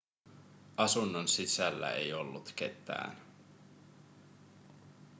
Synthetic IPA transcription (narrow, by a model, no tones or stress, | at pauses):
ʔɑsunːonsisælːæ̰ejo̞lːut̪k̟e̞t̪ːˑæ̰ːn